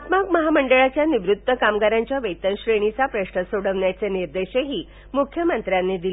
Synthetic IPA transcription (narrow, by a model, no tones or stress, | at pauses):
at̪makməɦaməɳɖəɭat͡ɕjaniʋɾut̪ːəkamɡaɾaɲt͡ɕjaʋəjt̪ənɕɾeɽ̃it͡sapɾəɕɳəsoɽəʋɳjat͡seniɾd̪eɕeɦiː | mukʰjəmənt̪ɾjanːed̪il